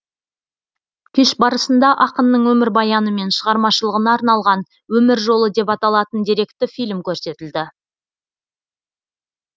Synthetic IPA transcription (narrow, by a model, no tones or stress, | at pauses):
kʲʰɪʃbɑɾəsənd̪ɑʔɑqənːəɴwɵmɪɾbɑjɑnəme̞nʃəʁɑɾmɑʃəlˠəʁənɑːɾnɑlˠʁɑn | wɵmɪɾʒo̞lˠəd̪e̞pɑt̪ɑlˠɑt̪ənd̪iɾe̞kt̪ːɪfijlʲmkʲʰɵɾse̞t̪ɪld̪ɪ